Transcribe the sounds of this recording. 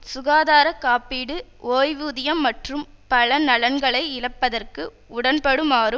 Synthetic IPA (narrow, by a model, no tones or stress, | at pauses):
sʊɣaːðaːɾɐkːaːpiːɽɯʔoːjʋuːðɪjɐmːɐʈrɯmpɐlɐnɐlɐnɡɐɭɐɪɪlɐpːɐðɐrkɯ | ʊɽɐnpɐɽɯmaːɾɯ